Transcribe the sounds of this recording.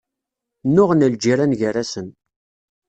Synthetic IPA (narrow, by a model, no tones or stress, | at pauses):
nːʊʁənəld͡ʒiɾanʝəɾasən